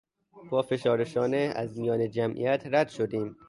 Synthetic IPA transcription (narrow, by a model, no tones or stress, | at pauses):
b̥ɒːfe̞ʃɒːɾeʃɒːneæzmijɒːned͡ʒæmʔḭjæt̪ʰɾæd̪̥ʃod̪iːm